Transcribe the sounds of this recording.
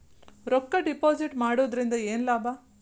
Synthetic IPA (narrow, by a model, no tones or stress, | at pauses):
ɾɔkːɐɖipoːd͡ʒiʈmaːɽoːd̪ɾind̪ɐeːnlaːbaː